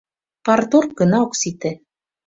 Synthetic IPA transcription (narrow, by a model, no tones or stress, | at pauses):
pɑrt̪orkɤ̆nɑoksit̪ĕ